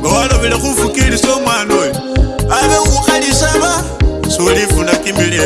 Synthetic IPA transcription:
ŋɡawaloβile̞xufukilisomwaːnoli | aβexuxalisaβa | sulifundakiːmbili

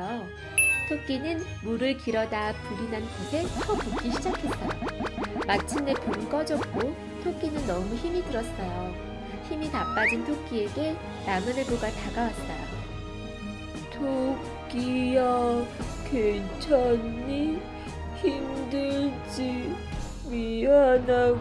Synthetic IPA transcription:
o | tʰok̚k͈inɯn | muɾɯɭkiɾʌdapuɾinanpisʰet͡ɕʰʌtok͈iɕʰid͡ʑakʰe̞t̚t͈ajomat͡ɕʰine̞punk͈ʌd͡ʑʌp̚k͈o | tʰok̚k͈inɯnːʌmuçimidɯɾʌs͈ʌjo | çimitap͈ad͡ʑintʰok̚k͈ie̞ɡe | namɯnɯɭboɡataɡawat̚t͈a̰ | tʰo | k͈ija | kweŋt͡ɕʰʌni | çimdɯɭ | d͡ʑi | miana

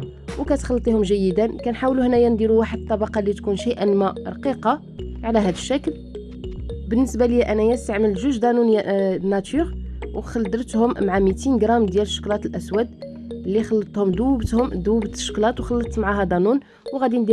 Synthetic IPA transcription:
wkæt̪xɑlːt̪ˤihʊmʒæjːəd̪ənkænħawluhnæjænd̪iɾuwaħəd̪̚t̪ˤːɑbɑqɑlːit̪kunʃijʔənmæɾˤɑqiqɑ | ʕlæɦæd̪əʃːækl | bənːəsbaləjːæʔænæjæst̪aʕməlʒəʒd̪ˤɑnunnæt̪yʁwxɑld̪əɾˤt̪hʊmːʕamit̪inɡɾˤɑmd̪jæləʃːə̥klɑt̪əlʔæswæd̪ | lːixɑlːət̪ˤhʊmd̪uwbt̪hʊmd̪uwbt̪ə̥ʃːə̥klɑt̪wxɑlːət̪ˤːmʕaɦæd̪ˤɑnun | wɣæd̪ind̪i

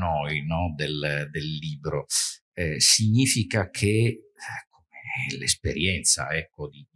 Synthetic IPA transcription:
nɔjnɔd̪eld̪elːiːbɾo | ɛsiɲːiːfikakʰe | ɛkʰomeɛlespeɾjɛnt̪sa̰ɛkːod̪i

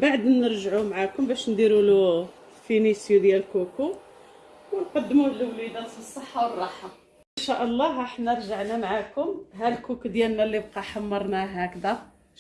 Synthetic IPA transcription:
baʕd̪nəɾʒʕumʕakʊmbæʃnd̪iɾulu | finisjud̪jælkuku | wnqɑd̪ːmuhlwlid̪æt̪əsˤːəħːawərˤːɑħa | ʔənʃæʔəlˤːɑɦəħnæɾˤʒəʕnæmʕakʊmɦælkukud̪jælnælːib̚qɑħamːɑɾˤnæɦækd̪æ

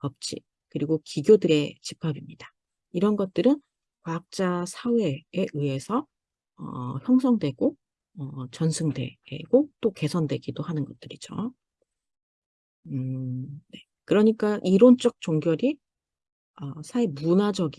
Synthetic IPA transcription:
pʌp̚t͡ɕ͈ʰḭ | kɯɾiɡokiɡjodɯɾe̞t͡ɕipʰabimɲid̥a | iɾʌnɡʌt̚t͈ɯɾɯn | kwaak̚t͡ɕ͈asʰawe̞ːʔɯe̞sʰʌ | ʌ̰çjʌŋsʰʌŋdwe̞ɡ̥o | ʌt͡ɕʌnsʰɯŋde̞̰ɡ̥ot͈oke̞sʰʌndwe̞ɡidohanɯnɡʌt̚t͈ɯɾid͡ʑo̰ | ne̞ | kɯɾʌɲik͈aʔiɾont͡ɕ͈ʌk̚t͡ɕoŋɡjʌɾi | ʌsʰaemunad͡ʑʌɡi

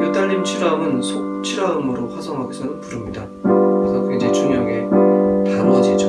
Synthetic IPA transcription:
ɡet͈aʎːimt͡ɕʰiɾaɯmɯnsʰot͡ɕʰiɾaɯmɯɾoɸwasʰʌŋɦaɡesʰʌnɯpuɾɯmɲida | kɯɾesʰʌked͡ʑet͡ɕuŋjʌɡetamʌd͡ʑit͡ɕʰ

